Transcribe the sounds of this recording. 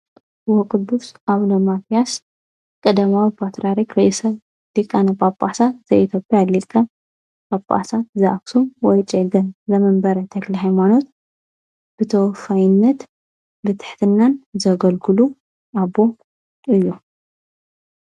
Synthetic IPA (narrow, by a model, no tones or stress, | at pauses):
wɔkʼɨd̪ːusʔaβlomat̪ʰijas | kʼɐd̪ɐmawipʰat̪ɾaɾikɾesɐ | likʼːanɐpʼapʼasaz̥ɐʔit̪ʰjo̞pʼjalikʼːa | pʼapʼa̰sat̪zɐʔaksuwɔjt͡ʃʼeɡɐnzɐmɐmbɐɾɐt̪ʰɐkliɦajmano̞t̪ | b̥ɨt̪ʰɐwfajɪnːɐt̪ | bɨt̪ʰɨ̥ħt̪ʰɨnːanzɐɡɐlɡʰɨlu | ʔabo | ʔɨjːu